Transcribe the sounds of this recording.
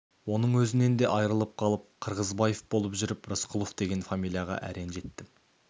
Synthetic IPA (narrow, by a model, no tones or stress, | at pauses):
wo̞nəɴwɵzɪne̞nd̪e̞ʔɑjɾəlˠəp̚qʰɑlˠəp̚qʰəɾʁəzbɑjefbo̞lˠəpʒʏɾɪprəsqʰʊlˠofd̪e̞ɡʲe̞nfamijlʲˠijɑʁɑ̰ʔæ̰ɾe̞nʒe̞t̪ːɪ